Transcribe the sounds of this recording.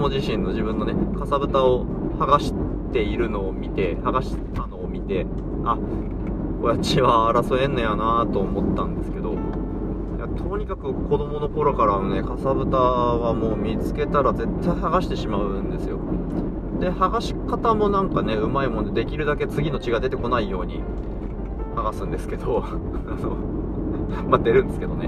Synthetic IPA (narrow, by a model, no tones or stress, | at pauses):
omoʑiɕĩnːo̞ʑibɯ̟̃nːo̞ne̞kasabɯ̟t̪ao̞ | haɡaɕi̥t̪e̞iɾɯ̟no̞ːmʲit̪e̞haɡaɕi̥ | ano̞ːmʲit̪e̞ | a | ojat͡ɕiβaːɾasoẽ̞nːo̞janat̪o̞ːmo̞t̪ːãnd̪e̞sɨ̥ke̞d̪o̞ | ja̰t̪ʰo̞ɲ̟ikakɯ̟ko̞d̪o̞mo̞no̞ko̞ɾo̞kaɾanone̞kasabɯ̟t̪aβamo̞ːmʲit͡sɨ̥ke̞t̪aɾaze̞t̪ːaihaɡaɕi̥t̪e̞ɕimaɯ̟̃nd̪e̞sɨjo̞̰ | d̪e̞haɡaɕi̥kat̪amo̞nãŋkane̞ɯ̟maimo̞nd̪ed̪e̞kʲiɾɯ̟d̪ake̞t͡sɨɡʲino̞t͡ɕiɡad̪e̞t̪e̞ko̞naijo̞ːɲ̟i | haɡasɨ̃nd̪e̞sɨ̥ke̞d̪o̞ano̞̰ | mad̪e̞ɾɯ̟nd̪e̞sɨ̥ke̞d̪o̞̰ne̞